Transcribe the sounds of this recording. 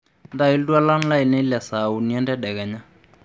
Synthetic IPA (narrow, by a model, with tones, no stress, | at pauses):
nda˦˨i˦ldu˦a˦la˦n˦la˦i˨nɛ˦i˦lɛ˨sa˨u˨ni˨ɛ˦ndɛ˦dɛ˨ɡɛ˨ɲa˦